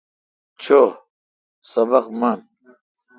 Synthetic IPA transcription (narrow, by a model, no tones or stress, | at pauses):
t͡ɕʰo | sɐbɐqmɐn